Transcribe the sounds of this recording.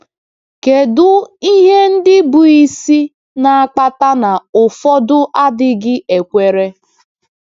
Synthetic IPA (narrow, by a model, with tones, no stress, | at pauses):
ke˨dʊ˦i˦ɦe˦n̩˦dɪ˦bu˨i˦si˦ | na˨a˨k͡pa˦ta˦na˨ʊ˨fɔ˦dʊ˦ʔa˦dɪ˦ɡɪ˦e˨kʷe˨ɾe˦